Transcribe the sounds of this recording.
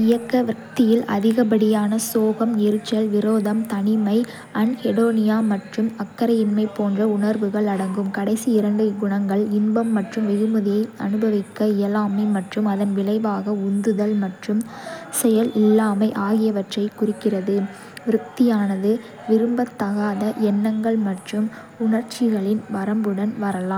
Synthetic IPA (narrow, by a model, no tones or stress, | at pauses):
ɪjɐkːɐʋɪɾɐk̚t̪ɪjɪlʔɐ̰ðɪɣɐbɐɽɪjaːnɐsoːɣɐmɪɾɯt͡ʃːɐlʋɪɾoːðɐmt̪ɐnɪmɐɪ | ɐnhɛɽoːnɪjaːmɐʈrɯmɐkːɐɾɐɪnmɐɪpːoːndrɐʊnɐɾʋɯɣɐɭɐɽɐŋɡɯmkɐɽɐɪsiɪɾɐɳɖɯɡʊɳɐŋɡɐɭɪnbɐmːɐʈrɯmʋɛɣɯmɯðɪjɐɪɐ̰nɯbɐʋɪkːɐɪjɐlaːmɐɪmɐʈrɯmɐðɐnʋɪlɐɪʋaːɣɐʊnd̪ɯðɐlmɐʈrɯmsɛjɐlɪlːaːmɐɪʔaːɣɪjɐʋɐʈrɐɪkːʊrɪkːɪrɐðɯ | ʋɪɾɯk̚t̪ɪjaːnɐðɯ | ʋɪɾɯmbɐt̪ːɐɣaːðɐʔɛnːɐŋɡɐɭmɐʈrɯm | ʊɳɐɾt͡ʃɪɣɐɭɪnʋɐɾɐmbɯɽɐnʋɐɾɐlaːm